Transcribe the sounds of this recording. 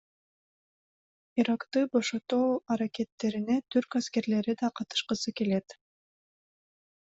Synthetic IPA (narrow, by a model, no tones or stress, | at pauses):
iɾakt̪ɯbo̞ʃo̞t̪oːɐɾake̞t̪ːe̞ɾinet̪ʰyɾkaske̞ɾle̞ɾid̪ɑqʰɑt̪ɯ̥ʃqɯsɯke̞le̞t̪